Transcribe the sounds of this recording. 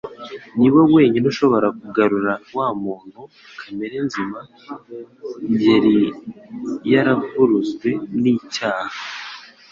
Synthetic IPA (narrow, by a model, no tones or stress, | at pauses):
niwo̞we̞ːɲenuʃo̞βo̞ɾakuɡaɾuɾawaːmuːn̥hu | kʰameɾenzima | ɲɟe̞ɾi | jaɾavuɾuzɡwe̞niːcaːha